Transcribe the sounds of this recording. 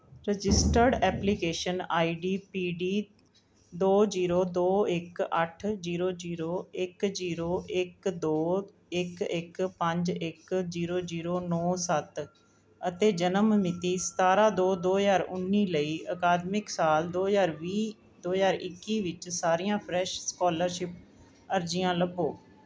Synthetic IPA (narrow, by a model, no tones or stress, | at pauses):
ɾəd͡ʒɪsʈəɾɖɛːpliːkeːʃənaːiːɖiːpiːɖiː | d̪oːd͡ʒiːɾoːd̪oːɪkəʈʰziːɾoːd͡ʒiːɾoːɪkd͡ʒiːɾoːʔɪkd̪oː | ɪkɪkpə̃ɲd͡ʒɪkziːɾoːziːɾoːnɔːsət̪ | ət̪eːd͡ʒənəmmɪt̪iːsə̥t̪aːɾãːd̪oːd̪oːzaːɾʊnːiːləiːəkaːd̪mɪksaːld̪oːzaːɾʋiː | d̪oːzaːɾɪkːiːʋɪt͡ʃsaːɾɪjãːpʰɾɛːʃskɔːləɾʃɪp̚ | əɾd͡ʒɪjãːləboː